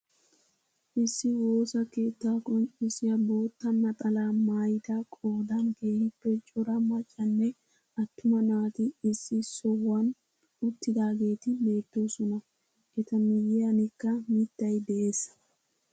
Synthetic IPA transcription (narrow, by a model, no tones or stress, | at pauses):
ʔɪsːɪwo̞ːsɐke̞ːt̪ːaːkʼɔnt͡ʃʼɪsɪjɐbo̞ːt̪ːɐnɐt̪ʼɐlaːmaːjɪt̪akʼo̞ːd̪ɐnɡeːhɪpːɛt͡ʃʼːɔɾɐmɐt͡ʃʼːɐnːɛ | ɐt̪ːʊmɐnaːt̪ɪːsːɪsɔwɐn | ʊt̪ːɪd̪aːɡe̞ːt̪ɪbe̞ːt̪ːoːsɔnɐ | ʔɛt̪ɐmɪjːɛɐnɪkːɐmɪt̪ːɐjd̪ɛʔeːsːɐ̥